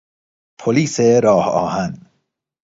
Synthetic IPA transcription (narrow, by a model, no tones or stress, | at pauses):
pʰoliːseɾɒːhɒ̰ːhæn